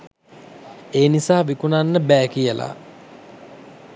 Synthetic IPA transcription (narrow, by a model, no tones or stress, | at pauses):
eːnisaːʋikunanːəbæːkijəla̰